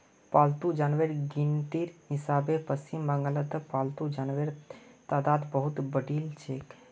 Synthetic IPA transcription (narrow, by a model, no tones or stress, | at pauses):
palt̪ud͡ʒaːnʋəɾɡint̪iɾɦisaːbepəst͡ʃimbəŋɡələd̪əpalt̪ud͡ʒanʋeɾt̪ad̪ad̪bəɦut̪bəɖilt͡ʃʰek